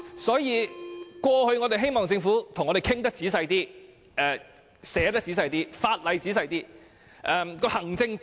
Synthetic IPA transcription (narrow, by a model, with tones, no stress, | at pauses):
sɔː˨˥jiː˨˧kʷɔː˧hɵ˧ɥŋɔː˨˧t̪e˨˩ɦe˥jmɔː˨ŋt͡sɪ˧ŋfuː˨˥t̪ʰʊ˨˩ŋɔ˨˧ɾe˨˩kʰɪ˥ŋt̪̬ɐ˥k̚t͡siː˨˥sɐ˧jt̪iː˥ | ɛː˨˧ | sɛː˨˥t̪ɐ˥k̚t͡siː˨˥s̬ɐ˧jt̪iː˥faː˧t̚lɐ˨˧jt͡siː˨˥s̬ɐ˧jt̪iː˥ | ʔɛ˧mkɔː˧hɐ˨˩ŋt͡sɪ˧ŋ